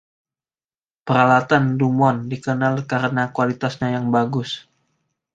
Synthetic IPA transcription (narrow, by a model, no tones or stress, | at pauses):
pəɾalat̪andumɔndikənalkaɾənakualit̪asɲajaŋbaɡʊs